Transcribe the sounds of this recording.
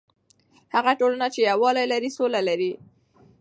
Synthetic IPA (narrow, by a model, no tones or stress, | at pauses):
haɣaʈolanat͡ʃejawɑlajlaɾisolalaɾi